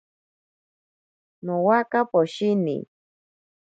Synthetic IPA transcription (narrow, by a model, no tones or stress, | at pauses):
nowakapoʃinḭ